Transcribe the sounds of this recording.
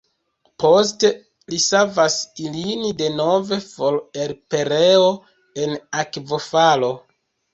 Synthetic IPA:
po̞s̬te | lisavasilinide̞no̞ve̞fole̞ɾpe̞ɾeo̞ | e̞nakvo̞falo̞

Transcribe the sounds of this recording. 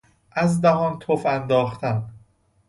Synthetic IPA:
ʔæzd̪æɦɒːnt̪ʰofænd̪ɒːxt̪ʰæn

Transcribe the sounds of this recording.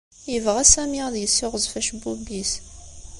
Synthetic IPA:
jəvʁæsæmiʁðjəsːɪʁəzˤfæʃbubis

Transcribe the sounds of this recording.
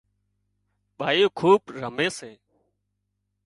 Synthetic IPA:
ɓaːjoːkʰuːɓɾəmẽːseː

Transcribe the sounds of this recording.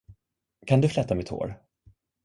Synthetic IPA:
kʰand̪ɵflɛt̪ːamɛt̪ʰho̰ːɾ

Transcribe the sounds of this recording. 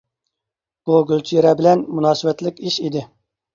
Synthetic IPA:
b̥uɡʲylt͡ʃʰijeɾɛbɪlɛnmunɑːsɨvɛt̪lɪkʲiʃid̪ɪ

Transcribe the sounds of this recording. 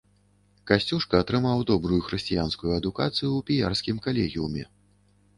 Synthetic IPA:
kasʲt͡sʲuʂkɐːt̪ɾɨmawd̪ɔbɾujuxɾɛsʲt͡sʲijanskujuɐd̪ukat̪sɨjupʲijarsʲkʲimkalʲɛɣʲiumʲɛ̰

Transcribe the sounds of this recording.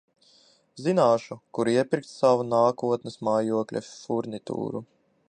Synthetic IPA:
zinaːʃukuɾiɛpʲiɾk̚t̪ssavunaːkuɔt̪nɨsmaːjuɔklʲɛ̰fuɾnʲit̪ṵːɾu

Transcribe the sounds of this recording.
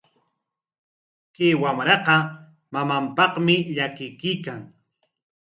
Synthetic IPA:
keːwamɾɑqɑ | mamampɑχmɪʎakɪjkijkaŋ

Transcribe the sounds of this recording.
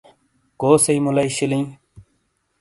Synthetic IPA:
koːsəiːmʊlaiːɕɪlĩː

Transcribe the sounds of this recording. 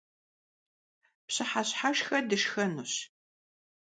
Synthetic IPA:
pɕɨħaɕħaʂxɐdɨʂxɐnuːɕ

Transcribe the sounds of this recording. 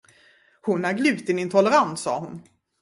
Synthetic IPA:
hʊnæɾɡlʉ̟ːt̪ɪnɪnt̪ʰɔlːɛɾant̪sɑ̰ːhʊn

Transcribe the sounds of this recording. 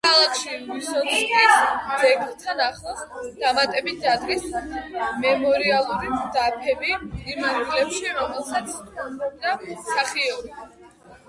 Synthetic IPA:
kʰalˠakʰʃimisɔt̪kʰisz̥ɛɡlt̪ʰanaχlˠad̪̥amat̪ʼɛbit̪̚ʰd̪ad̪ɡis | mɛmɔɾialˠuɾimd̪apʰɛbiimanɡilɛpʃiɾɔmɛlˠsat̪sʰɔzɾɛb̚d̪asaχiɔɾi

